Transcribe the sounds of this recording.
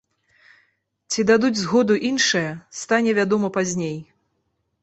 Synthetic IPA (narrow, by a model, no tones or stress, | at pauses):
t͡sʲid̪ad̪ud͡zʲzɣɔd̪uʔinʂɐjɐst̪anʲɛvʲad̪ɔmɐpazʲnʲej